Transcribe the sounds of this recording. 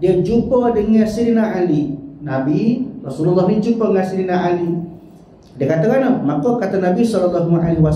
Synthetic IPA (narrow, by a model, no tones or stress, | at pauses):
diəd͡ʒupədəŋasiɾinaʔalinabirɔsululːɔhnid͡ʒupəŋasiɾinaʔali | diəkat̪əkanəhmakokat̪anabisɔlɔlːɔɦmʔaliwa